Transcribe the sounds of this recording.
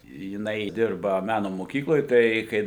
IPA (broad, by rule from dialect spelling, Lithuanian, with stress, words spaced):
jɪˈnɐɪ ˈdʲɪrbɐ ˈmʲæːnoː moːˈkʲiːklˠoːj ˈtɐɪ kɐɪ